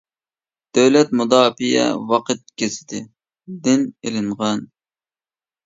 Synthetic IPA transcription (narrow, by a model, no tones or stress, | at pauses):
d̪̥øwlɛt̪mud̪ɑːpijɛ̰wɑqʰɨt̪̚kʲʰesɪ̥d̪ɪ | d̪ɪnelɪɴʁɑn